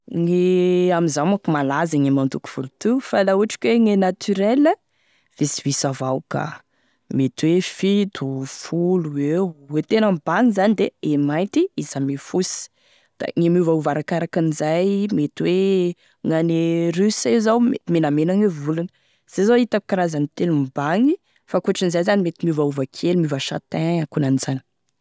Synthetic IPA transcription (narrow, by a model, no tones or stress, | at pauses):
ŋeamizamakumalazaŋemant̪uku̥v̥ulut̪ufalauaʈ͡ʂi̥kʲweŋenat̪ʰyɾelə | v̥esivisavawka̰ | met̪wefit̪ufuluwewwet̪enambanizanid̪eemaj̪t̪iizamefusi̥ | d̪̥a̰ŋimuvauvaɾakaɾakinizajmet̪iwe | ŋaneɾysezawmemenamenaŋevulunə̥ | z̥ezoit̪aku̥kaɾazanit̪elumbaŋi | fakuaʈ͡ʂinizajzanimet̪imuvauvakʰelimuvəʃa̰t̪ɛ̃akunaniz̥ani̥